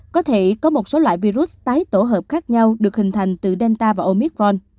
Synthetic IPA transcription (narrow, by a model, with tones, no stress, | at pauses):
kɔ˨˦t̪ʰe˧˩kɔ˨˦mo˨˩t̚so˨˦lwa̰ː˧˨jvi˧ɾu˦˥s̚t̪aː˨˦jt̪o˧˩ɦəː˨˩p̚xaː˦˥k̚ɲa˧wɗɨ˨˩ək̚hï˨˩ŋ̟t̪ʰa˨˩jŋ̟t̪ɨ˨˩ɗɛ˧nt̪aː˧vaː˨˩ʔo˧mi˦˥k̚ɾɔ˧n